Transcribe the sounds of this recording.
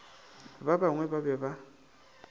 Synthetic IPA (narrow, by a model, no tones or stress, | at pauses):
βabaŋwɛβaβɛβa